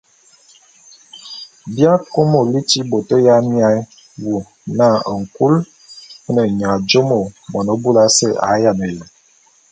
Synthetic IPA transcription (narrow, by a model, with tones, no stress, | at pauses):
bja˦ko˦mo˨li˦ti˦bo˨tə˦ja˦mja˦j | wu˨ | na˦˨ə˨ŋ̩˨ku˦l | ə˦nə˨ɲa˨d͡ʒo˦mo˨mɔ˨nə˨bu˦la˦sə˦˨a˨˦ja˨nə˨jə˨